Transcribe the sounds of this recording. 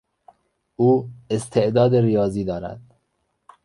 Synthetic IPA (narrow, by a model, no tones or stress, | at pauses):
uːest̪ʰeʔd̪ɒːd̪eɾijɒːziːd̪ɒːɾæ̰d̪̥